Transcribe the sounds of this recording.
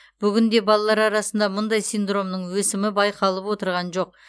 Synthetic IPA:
b̥ʏɡʲɪnd̪e̞bɑlˠɑlˠɑɾɑɾɑsənd̪ɑmʊnd̪ɑjsijnd̪ro̞mnəɴwɵsɪmɪbɑjqɑlˠəpwo̞t̪əɾʁɑnʒoq̚

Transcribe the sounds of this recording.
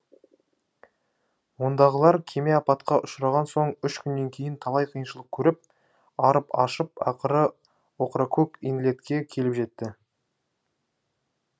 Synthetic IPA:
wo̞nd̪ɑʁəlˠɑɾkʲʰe̞me̞ɑpɑt̪qɑʔʊʃɾɑʁɑnso̞ɴʏʃkʲʰʏnːe̞ŋkʲʰe̞jɪnt̪ʰɑlˠɑjqʰijənʃəlˠəq̚kʲʰɵɾɪp̚ | ɑɾəpɑʃəp̚ɑ̰qəɾə | wo̞qɾakʰokinlʲe̞t̪kʲe̞kʲʰe̞lɪpʒe̞t̪ːɪ

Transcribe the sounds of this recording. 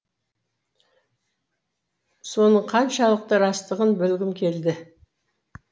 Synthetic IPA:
so̞nəɴqʰɑnʃɑlˠəq̚t̪əɾɑst̪əʁənbɵlɡʲɪmkʲʰe̞ld̪ɪ

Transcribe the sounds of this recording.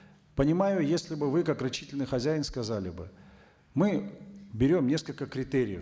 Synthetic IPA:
pənʲɪmajʊjesʲlʲɪbɨvɨkakrɐt͡ɕːitʲɪlʲnɨjxɐzʲæjɪnskɐzalʲɪ̰bɨ̰ | mɨbʲɪɾʲo̞mnʲe̞skəlʲkəkɾʲɪt̪eɾʲɪ̰jə̰

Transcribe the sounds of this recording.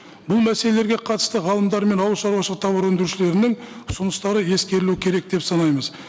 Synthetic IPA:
bʊlˠmæse̞le̞le̞ɾɡʲe̞qʰɑt̪ə̥st̪əʁɑlˠəmd̪ɑɾme̞nɑwəlʃɑɾwɑʃəʁqt̪ʰɑbəɾwɵnd̪ɪɾuʃɪle̞ɾɪnɪŋʊsʊnəst̪ɑɾəje̞skʲe̞ɾɪluɪkʲʰe̞ɾe̞k̚d̪̥e̞psɑnɑjməz

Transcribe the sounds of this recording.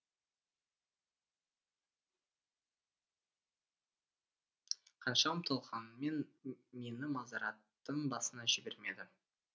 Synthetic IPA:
qʰɑnʃɑmt̪ʰolˠʁɑnme̞nme̞nɪmɑzɑɾɑt̪ːəɴbɑsənɑʒɪbe̞ɾme̞d̪ɪ

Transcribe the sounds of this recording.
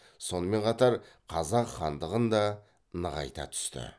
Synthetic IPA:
so̞nəme̞ɴqʰɑt̪ɑɾqʰɑzɑqχɑnd̪əʁənd̪ɑ | nəʁɑ̰jt̪ɑ̰t̪ʰʏ̥st̪ɪ̰

